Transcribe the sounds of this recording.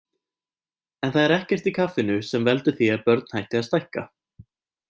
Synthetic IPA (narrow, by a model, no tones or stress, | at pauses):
ɛnθaðɛɾɛhcɛr̥t̪ikʰafːɪnʏsɛmvɛlt̪ʏθiaðpœɾt̪n̥hajht̪ɪaðst̪ajhka̰